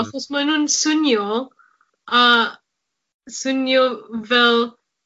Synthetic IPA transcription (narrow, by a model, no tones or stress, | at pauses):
aχɔsmanhʊnsʊnjɔ | a | sʊnjɔvɛlˠ